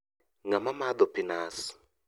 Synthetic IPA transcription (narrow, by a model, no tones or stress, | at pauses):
ŋamamad̪ɔpʰinaːsi̥